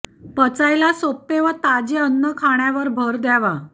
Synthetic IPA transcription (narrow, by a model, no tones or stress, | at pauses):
pət͡sajlasopːeʋət̪ad͡ʑeənːəkʰaɳ̃jaʋəɾbʱəɾd̪aʋa